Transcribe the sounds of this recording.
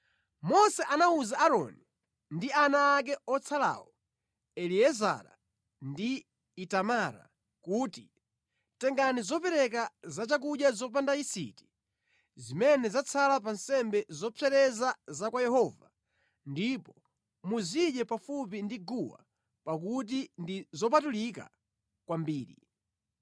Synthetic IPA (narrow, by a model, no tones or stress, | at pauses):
mɔsɛʔanauzaːɾɔ̰ni | ndianaːk̬ɛɔt͡sʰala̰wɔ | ɛliɛza̰ɾa̰ | ndiː | tamaɾa̰ | kuːti | tɛŋɡanizɔpɛɾɛk̬azat͡ʃak̬uɗjazɔp̬andaisḭti̥ | zimɛnɛzat͡sʰalap̬ansɛmbɛzɔpʰɛɾɛzazakwajɛhɔva | ndipɔ | muziɗɛpafup̬indiɡuwa̰ | pak̬ut̬indizɔp̬atulika̰ | kwambiːɾḭ